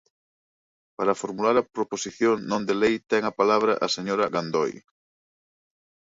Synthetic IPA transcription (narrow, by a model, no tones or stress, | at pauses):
paɾɐfoɾmulaɾɐpɾoposiθjoŋnõnd̪elejt̪ɛŋɐpalaβ̞ɾɐ̰ʔɐseɲoɾɐɣand̪oj